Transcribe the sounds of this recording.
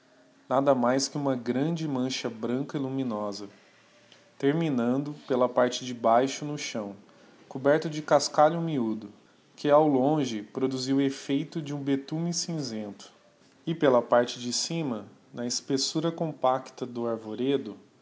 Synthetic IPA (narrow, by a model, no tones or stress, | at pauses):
nad̪ɐmajskɪũmɐɡɾɐ̃d͡ʒɪmɐ̃ʃɐbɾɐ̃kɐilumĩnɔzɐ | t̪eɾminɐ̃nd̪ʊpelɐpaɾt͡ʃɪd͡ʒɪbajʃʊnʊʃɐ̃w̃ | kobɛɾt̪ʊd͡ʒɪkaskaʎʊmiud̪ʊ | kʰɪawlõʒɪpɾod̪uziwefejt̪ʊd͡ʒɪũbet̪ũmɪsĩzẽnt̪ʊ̥ | ɪpelɐpaɾt͡ʃɪd͡ʒɪsĩmɐnɐɪspesuɾɐkõpakt̪ɐd̪ʊaɾvoɾed̪ʊ